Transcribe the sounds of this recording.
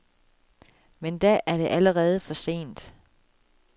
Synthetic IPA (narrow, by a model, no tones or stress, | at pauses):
mend̥æʔæɐɾ̥e̝ʔæləʁɛːð̞̩ˠfɒ̽se̝̰ːnd̥